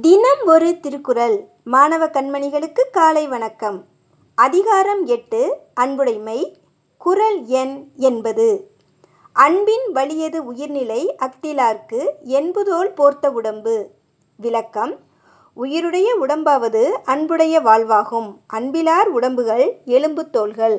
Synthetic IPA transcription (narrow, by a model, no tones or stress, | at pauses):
d̪ɪnɐmɔɾɯt̪ɪɾɯkːɯɾɐl | maːnɐʋɐkɐɳmɐɳɪɣɐɭɯkːɯkːaːlɐɪʋɐɳɐkːɐm | ɐðɪɣaːɾɐmɛʈːɯɐɳbɯɽɐɪmɐɪ | kʊɾɐlɛnɛnbɐðɯ | ʔɐɳbɪnʋɐɭɪjɐðɯʊjɪɾnɪlɐɪʔɐk̚ʈ̪ɪlaːɾkɯɛnbɯðoːɭpoːɾt̪ːɐʊɽɐmbɯ | ʋɪlɐkːɐm | ʊjɪɾɯɽɐjɐʊɽɐmbaːʋɐðɯɐɳbɯɽɐjɐʋaːɭʋaːɣɯmʔɐɳbɪlaːɾʊɽɐmbɯɣɐɭɛlɯmbɯt̪ːoːlɣɐɭ